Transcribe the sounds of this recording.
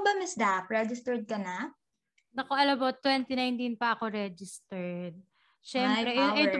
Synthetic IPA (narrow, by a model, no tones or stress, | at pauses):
bɐmɪsd̪apɹɛd͡ʒɪst̪ɛɹd̪̚kɐna | nɐkoʔɐlɐbot̪wɛnt̪ɪnajnt̪inpɐʔɐko̞ɾɛd͡ʒɪst̪ɛɹd̪̚ | ʃɛmpɾɛj̪